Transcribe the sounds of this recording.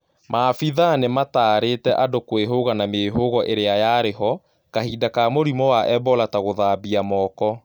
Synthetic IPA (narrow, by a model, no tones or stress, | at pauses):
maːfiðanemataːɾetɛʔadokweɦoɣanameɦoɣɔʔeɾeajaɾeɦɔ | kahidakamoɾimɔwaʔɛbɔlataɣoðabiamɔːkɔ